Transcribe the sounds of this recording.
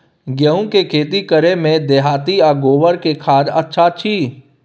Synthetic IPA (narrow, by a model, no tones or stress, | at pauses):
ɡjəũkekʰeːt̪̬ikəɾemẽd̪eːɦaːt̪iaːɡoːʋəɾkekʰaːd͡ʒətːʃʰat͡ʃʰiː